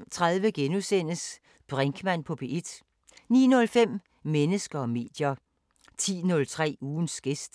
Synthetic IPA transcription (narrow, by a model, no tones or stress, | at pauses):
mt͡sʰʁaðˠʋəɡ̥enusen̰əs | b̥ʁeŋɡ̥ʰmæn̰pʰɒ̽b̥e̝ʔid̥ | nḭːnɔ̽lfem̰ | menəsɡ̥ɐɒ̽me̝̰ːd̥jɐ | t͡sʰḭːnɔ̽lt͡sʰʁɛ̰ːuːn̩sɡ̥e̝sd̥